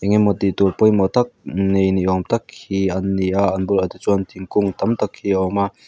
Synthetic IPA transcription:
ɛŋɛmːɔt̪iʔt̪ulpɔjmɔt̪ɐk̚nejniʔɔmt̪ɐkhiʔɐnːiʔaʔɐnbʊlat̪it͡ʃuant̪ʰiŋkʊŋt̪ɐmt̪ɐkhiʔɔma

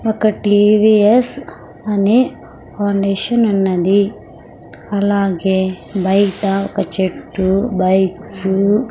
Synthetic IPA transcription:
ɔkɐʈiʋiːes | ɐne | pʰɐwɳɖeːʃɐnunːɐd̪i | ɐlaːɡeː | bɐjʈɐɔkɐt͡ʃeʈːubɐjʈsu

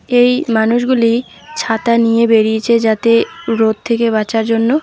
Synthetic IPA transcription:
ejmanuʃɡuli | t͡ɕʰat̪anijebeɽijet͡ɕʰed͡ʑat̪eɾod̪̚t̪ʰːekeβat͡ɕaɾd͡ʑonːo

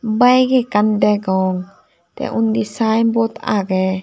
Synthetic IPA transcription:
bajɡɛkandɛɡɔŋ | t̪ɛ̰ʔunɡisajmbɔt̪a̰ɡɛ

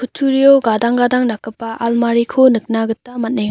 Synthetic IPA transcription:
kʰutʰuɾijoɡadaŋɡadaŋnakɯpːaʔalmaɾikʰonɯk̚naɡɯtːamat̚neŋ

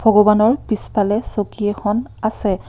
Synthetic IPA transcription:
bʱɔɡɔbanɔɹpispalɛsokiɛkʰɔnasɛ

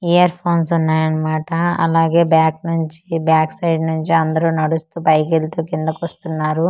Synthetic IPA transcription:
ijɐɾpʰoːnsunːaːjɐnɐmaːʈɐɐ̰laːɡeːbjaːk̚nuɲt͡ʃi̥bjaːksɐjɖnuɲt͡ʃiɐnd̪ɐɾuːnɐɽust̪uːpɐjkelt̪uːkind̪ɐkʋɐst̪unːaːɾu

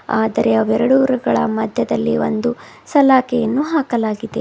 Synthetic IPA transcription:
aːd̪ɐɾeɐʋɛɾɐɽuʋɾuɡɐɭɐmɐd̪ʱjɐd̪ɐlːiʋo̞̰nd̪u | sɐlaːkejɐnːuɦaːkɐlaːɡid̪e̞

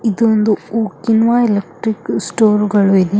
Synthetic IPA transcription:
id̪ond̪uoːkinʋaelek̚ʈɾiksʈoːɾɡɐɭuid̪e

